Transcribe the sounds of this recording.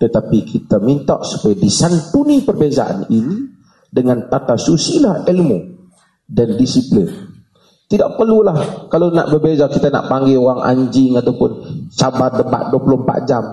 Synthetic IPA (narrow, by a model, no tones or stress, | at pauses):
t̪ət̪apikʰit̪amint̪ɔ̰ʔsu̥pajadisant̪unipərbeza̰ʔa̰nini | dəŋant̪at̪asusilahɛlmo | dandisiplɪn | t̪idaʔpərlulahkalona̰ʔbərbezakit̪ana̰ʔpaŋɡɛoaŋʔa̰ɲd͡ʒɪŋat̪awpʊnt͡ʃabardəpa̰t̪̚duapulʊmpa̰ʔd͡ʒam